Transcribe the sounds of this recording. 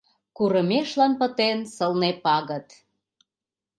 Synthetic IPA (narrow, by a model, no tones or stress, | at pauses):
kuɾəmeʃlɑnpə̆t̪ensəlnepɑɣət̪